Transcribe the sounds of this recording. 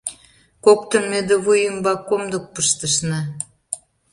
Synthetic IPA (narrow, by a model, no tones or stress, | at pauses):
kokt̪ə̆nmed̪eβujəmbɑkːomd̪ə̆k̚pəʃt̪əʃnɑ